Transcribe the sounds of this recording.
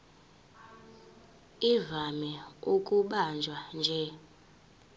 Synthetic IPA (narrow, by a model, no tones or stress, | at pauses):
ivamɛukʼuɓand͡ʒʱwand͡ʒʱɛ